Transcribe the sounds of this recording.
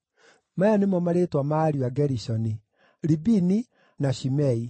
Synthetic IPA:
majanemɔmaɾetwamaɾiaɡɛɾisɔni | ɾibini | naʃimɛi

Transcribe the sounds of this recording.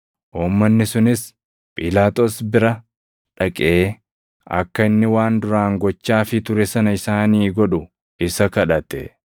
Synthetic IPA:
ʔuːmːɐnːɪsʊnɪs | pʼɪlaːt̪oːsbɪɾɐ | ᶑɐkʼeː | ɐ̰kːɐɪnːɪwaːnd̪ʊɾaːŋɡɔt͡ʃːaːfɪt̪ʊɾɛsɐnɐɪsaːniːɡɔᶑʊ | ɪsɐkɐᶑɐt̪ɛ̰

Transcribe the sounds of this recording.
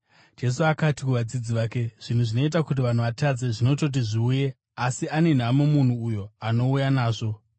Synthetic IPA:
d͡ʒe̞s̬uakatikuʋad͡zid͡ziʋaːke̞ʐ̥in̤uʐino̞it̬akut̬iʋan̤uʋatad͡ze̞ʐino̞to̞t̬iʐiuje̞ | asiane̞n̤amomun̤uːjo̞ano̞ujanaːʐo̞

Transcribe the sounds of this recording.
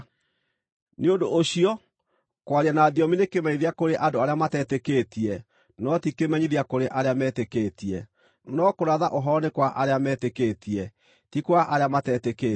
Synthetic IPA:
neodoʔːɕiɔ | kwaɾianaːðiɔminekemɛɲiðeakoɾeʔadoaɾeamatɛtekeːtiɛ | nɔtikemɛɲiðiakoɾeʔaɾeamɛːtekeːtiɛ | nɔkoɾaðaʔoɦɔɾɔnekwaʔaɾeamɛtekeːtiɛ | tikwaʔaɾeamatɛːteke

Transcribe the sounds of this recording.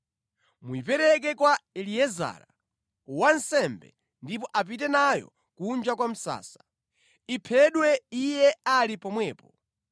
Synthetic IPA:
muipɛɾɛk̬ɛkwaɛliɛza̰ːɾa | wansɛmbɛ̰ | ndipɔʔap̬itɛnajɔ̰ | kund͡ʒakwam̩sa̰ːsḁ | ipʰɛɗwɛijɛalipɔmwɛːpɔ

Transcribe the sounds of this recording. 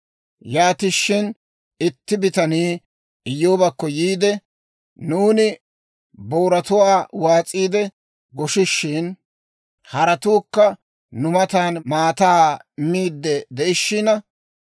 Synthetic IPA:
jaːt̪ɪʃːɪn | ɪt̪ːɪbɪt̪ɐniː | ɪjːoːbɐkːɔjiːd̪ɛ | nuːnɪ | boːɾɐt̪ʊwaːwaːt͡sʼiːd̪ɛ | ɡɔʃɪʃːɪn | hɐɾɐt̪uːkːɐ | nʊmɐt̪aːnmaːt̪aːmːiːd̪ːɛd̪ɛʔɪʃːɪnɐ

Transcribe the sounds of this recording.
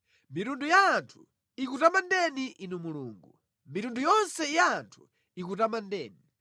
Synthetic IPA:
miɾundujaːntʰu̥ | ik̬utamandɛniʔinumuluːŋɡu | miɾundujɔnsɛjaːntʰu̥ | ikutamandɛːni

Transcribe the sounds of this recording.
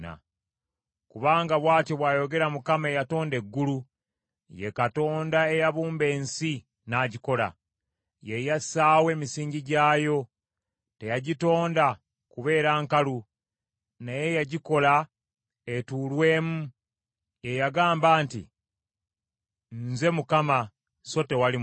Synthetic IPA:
a̰ | kuβaːŋɡaβwaːtjoβwaːjo̞ɡe̞ɾamukamaejato̞ːnde̞ɡːulu | jekato̞ːndae̞jaβuːmbe̞ːnsi | naːɟiko̞la̰ | jejasaːwe̞ːmisiːɲɟiɟaːjo̞ | te̞jaɟito̞ːnda | kuβe̞ːɾaːŋkalu | naje̞jaɟiko̞la | etulwe̞ːmu | je̞jaɡaːmbaːntḭ | nze̞mukama | so̞te̞wali

